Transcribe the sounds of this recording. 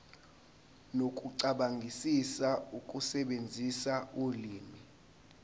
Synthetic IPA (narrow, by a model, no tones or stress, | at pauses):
nokʼuǀaɓaŋɡʱisisaukʼusɛɓend͡zʱisauliːmi